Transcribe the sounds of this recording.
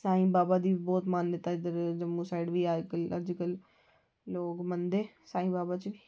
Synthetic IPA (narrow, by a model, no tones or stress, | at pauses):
saːɦĩːbaːbaːd̪iːbɔːt̪maːnjət̪aːɪd̪əɾd͡ʒəmːũːsaːɪɖʋiːaːd͡ʒkələd͡ʒkəlː | oːkmənd̪eː | saːɦĩːbaːbaːt͡ʃʋiː